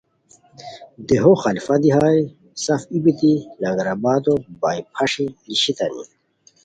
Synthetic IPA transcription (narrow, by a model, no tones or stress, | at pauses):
d̪eɦoxɐlifɐd̪iɦaːi | sɐfibit̪ilɐŋɡɐɾɐbaːd̪obaːipʰɐʂiliɕit̪ɐnḭ